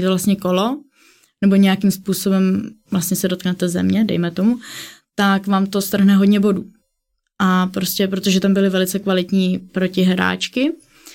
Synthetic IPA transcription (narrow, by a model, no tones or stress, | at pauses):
t̪ovlast̪ɲɛko̞lo̞ | nɛboɲɛjakimspuːso̞bɛmvlast̪ɲɛsɛdo̞t̪̚knɛt̪ɛzɛ̰mɲɛdɛ̰jmɛt̪o̞mut̪akvaːmt̪o̞st̪r̩ɦnɛɦodɲɛbo̞duː | ʔapɾoscɛpɾot̪oʒɛt̪ambɪlɪvɛlɪt͡sɛkvalɪt̪ɲiːpɾo̞cɪɦɾa̰ːt͡ʃkɪ